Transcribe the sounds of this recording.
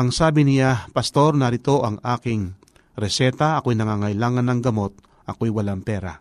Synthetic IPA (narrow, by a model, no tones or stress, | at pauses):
ʔɐŋsaːbɪnɪjapɐst̪o̞ɾnɐɾɪt̪o̞ʔɐŋʔaːkɪŋ | ɾɛsɛːt̪ɐʔɐkojnɐŋaːŋɐjlaːŋɐnːɐŋɡɐmo̞t̪̚ | ʔɐko̞jwɐlaŋpɛːɾa̰